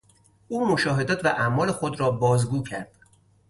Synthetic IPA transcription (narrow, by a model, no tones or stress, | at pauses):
ʔuːmoʃɒːɦe̞d̪ɒːt̪ʰvæʔæmɒːle̞xod̪ɾɒːbɒːzɡuːcʰæɾd̪̥